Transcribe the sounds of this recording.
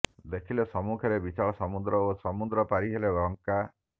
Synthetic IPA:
d̪ekʰilesɔmukʰɔɾebit͡ʃaɭɔsɔmud̪ɾɔosɔmud̪ɾɔpaɾiɦelebɔŋka

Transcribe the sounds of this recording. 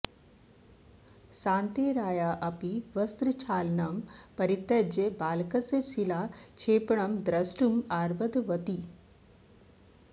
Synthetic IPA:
sãːnt̪iɾaːjaʔɐpiʋəst̪ɾɨt͡ɕʰaːlnɐmpɐɾit̪ːed͡ʑebaːlkəseɾsilat͡ʃʰepɳɐmd̪ɾɐsʈumaɾbəd̪ʋɐt̪i

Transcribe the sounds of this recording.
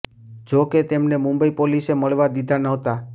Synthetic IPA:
d͡ʒoket̪emnemʊ̃mbəipoliseməɭʋad̪id̪ʱanəɦt̪a

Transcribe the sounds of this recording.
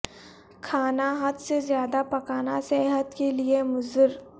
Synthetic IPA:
kʰaːnaɦɐd̪sezjaːd̪apɐkaːnasɛɦət̪keliemʊzəɾ

